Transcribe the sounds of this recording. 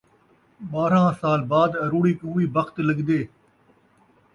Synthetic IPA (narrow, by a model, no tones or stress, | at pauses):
ɓaːɾãːsaːlbaːd̪ɐɾuːɽiːkũːʋiːbəxt̪ləɠd̪eː